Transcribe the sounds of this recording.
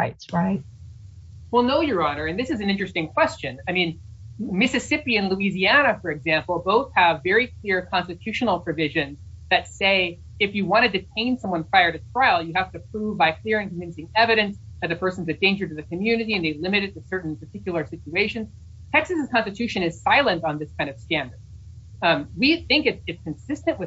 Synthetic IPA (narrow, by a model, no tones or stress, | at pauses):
aɪtɹaɪt̚ | wilˠnoʊjə˞ɑnə˞ɨ̃nðɪsɨz̃n̩ɪ̃nt͡ʃɹ̥ɨstɪ̃ŋkʰw̥ɛst͡ʃɨ̃naɪmĩnmɪsɨsɪpiɨ̃nluiziænɨfə˞ɨɡzæ̃mpl̩ˠboʊθhəvɛɹikʰl̥ɪɹkʰɑ̃nstɨtʰʉʃɨnl̩ˠpʰɹ̥ɨvɪʒɨ̃nzðɨtseɪ | ɨfjɨwɑ̃ɾ̃ɨd̚tɨtʰẽɪ̃nsʌ̃mwʌ̃npʰɹaɪə˞ɾɨtʰɹ̥aɪlˠjɨhæftɨpʰɹ̥uvbaɪkʰl̥ɪɹɨ̃nkə̃ɱvɪ̃nsɪ̃ŋɛvɨɾɨ̃nsðɨt̪̚ðɨpʰɜ˞sn̩zɨt̚d̥ẽɪ̃nd͡ʒə˞ɾɨðɨkʰɨmjʉnɨɾiɨ̃nðeɪlɪ̃mɨɾɨd̚tɨsɜ˞ʔn̩pə˞tʰɪkjl̩ˠə˞sɪt͡ʃʉeɪʃɨ̃nz̥ | tʰɛksɨsz̥kʰɑ̃nstɨtʰʉʃɨ̃nɨz̥saɪlˠə̃ntn̩ðɪskʰãɪ̃ndʌv̥stæ̃ndə˞d̥ | wiθɪ̃ŋkɨtsɨtskʰɨ̃n̩sɪstɨ̃nʔwɨ